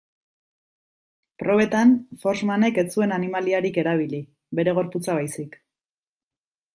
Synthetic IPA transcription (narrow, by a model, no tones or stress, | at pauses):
pɾo̞βe̞t̪anfo̞ɾzmane̞ke̞t͡sue̞nanimaliaɾike̞ɾaβ̞ili | be̞ɾe̞ɣ̞o̞ɾput͡saβ̞ajsik